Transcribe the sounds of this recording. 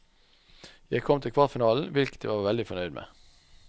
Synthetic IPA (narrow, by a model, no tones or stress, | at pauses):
jæɪkʰɔmt̪ʰɪlkʰʋɑʁfɪnɑːln̩ʋɪlkət̪̚d̪ḛːʋɑːʁʋɛld̪ɪfɔnœʏd̪mʔḛː